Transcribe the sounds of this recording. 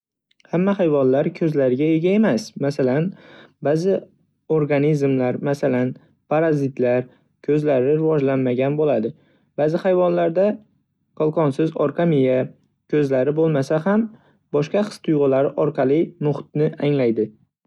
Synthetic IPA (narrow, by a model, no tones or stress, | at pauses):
hamːahajvɒnlaɾkʰɵzlaɾɪɡʲae̞ɡʲae̞masmasalanbaːzɪ | oɾɡanizmlaɾmasalan | pʰaɾazɪt̪laɾ | kʲʰɵzlaɾɪɾɪvɒd͡ʒlanmaɡʲanbolad̪ɪ | b̥aːzɪhajvɒnlaɾd̪a | qʰɒlˠqɒnsɪzɒɾqʰɑmɪja | kʲʰɵzlaɾɪbolˠmasaham | bɒʃqɑqʰɨ̥st̪ʰʊjʁʊlaɾɪʔɒɾqɑlˠɪmʊχt̪̚nɪʔaŋlajd̪ɪ